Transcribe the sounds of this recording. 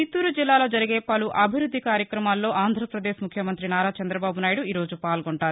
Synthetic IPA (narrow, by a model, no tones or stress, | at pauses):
t͡ʃit̪ːuːɾud͡ʒilːaːlo̞ːd͡ʒɐɾiɡeːpɐluʔɐbʱiɾud̪ʱːikaːɾjɐkɾɐmaːlːo̞ːʔaːnd̪ʱɾɐpɾɐd̪eːʃmukʰjɐmɐnt̪ɾinaːɾaːt͡ʃɐnd̪ɾɐbaːbunaːjiɽuiːɾo̞ːd͡ʒupaːlɡoɳʈaːɾu